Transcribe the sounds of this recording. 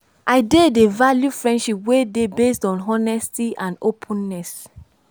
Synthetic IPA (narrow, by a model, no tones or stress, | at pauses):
ʔaɪdedevaljufɹɛ̃ndʃipwedebestɔ̃nɦɔnɛstiãndopʰũnːɛs